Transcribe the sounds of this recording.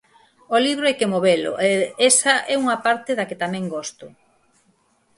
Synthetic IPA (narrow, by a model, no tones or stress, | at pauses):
oliβɾoɛkemoβelo̰ʔeesɐʔɛuŋɐpaɾt̪eðaket̪amɛ̃ŋɡost̪ʊ